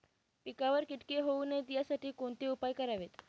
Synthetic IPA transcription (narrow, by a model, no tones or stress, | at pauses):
pikaʋəɾkiʈkeɦouned̪jasaʈiːkoɳt̪iupajkəɾaʋet̪